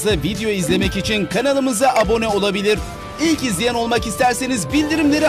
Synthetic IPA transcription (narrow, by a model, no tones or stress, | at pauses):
zavid̪ejo̞izlʲe̞mɛcit͡ʃʰinkʰanalˠɯmɯzaʔabo̞nɛo̞lˠabilʲiɾ̥ | ilʲcizlʲijɛno̞lˠmakist̪ʰæɾsenizbilʲd̪iɾimlʲe̞ɾi